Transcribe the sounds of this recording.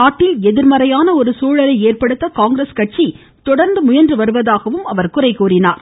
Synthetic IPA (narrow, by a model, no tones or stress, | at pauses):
aːʈːɪlɛðɪɾmɐɾɐjaːnɐɔɾɯsuːɻɐlɐɪeːrpɐɽɯt̪ːɐkaːŋɡɾeskɐʈ̚t͡ʃi | t̪ɔɽɐɾnd̪ɯmʊjɐndrɯʋɐɾɯʋɐðaːɣɐʋɯmɐʋɐɾkʊrɐɪkuːrɪnaːɾ